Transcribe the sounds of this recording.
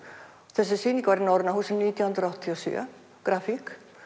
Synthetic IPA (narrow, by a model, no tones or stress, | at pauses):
θɛs̬ːɪsiːnikvaɾɪnɔwɾðnaɦuːsɛmniːt̪jawhnt̪ɾawht̪t̪ʰiasjœ̰ | kɾafik